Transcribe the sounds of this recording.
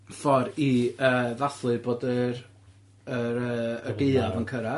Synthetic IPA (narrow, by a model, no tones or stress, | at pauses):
fɔɾiəːvaθlˠɨboːdər | əɾəːd̥eɨavənkʰəɾa